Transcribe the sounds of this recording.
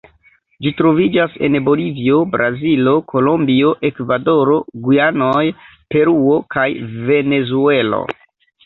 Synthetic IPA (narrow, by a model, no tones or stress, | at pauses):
d͡ʒitɾo̞vid͡ʒase̞̰nbo̞livio̞bɾʔazilo̞kʰo̞lo̞mbio̞ʔe̞kvado̞ɾo̞ɡujanoj | pe̞ɾuo̞kajve̞ne̞zue̞lo̞̰